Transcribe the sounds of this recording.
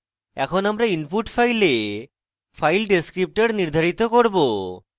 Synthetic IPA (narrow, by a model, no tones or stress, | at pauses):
ɛkʰonamɾainpuʈfajle | fajlɖeskɾip̚ʈeɾniɾd̪ʱaɾit̪okoɾbo